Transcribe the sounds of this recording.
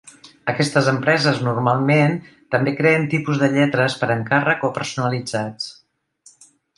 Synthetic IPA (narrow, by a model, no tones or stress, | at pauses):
əkɛst̪əzəmpɾɛzəznurmalˠmen | t̪əmbekɾeənt̪ipuzðəʎɛt̪ɾəspəɾəŋkarəkopəɾsunəlid͡zat͡s